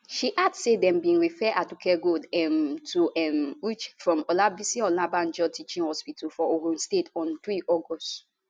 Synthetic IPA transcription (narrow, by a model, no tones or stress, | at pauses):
ʃiʔadsedɛ̃mbĩnɹifɛʔatukʰɛɡodɛmtʰuʔɛmwit͡ʃfɹɔ̃mɔlabisĩɔ̃labãnd͡ʒɔtit͡ʃĩnhɔspitʰɔfɔoɡũnstetɔ̃ntɹiʔɔɡɔst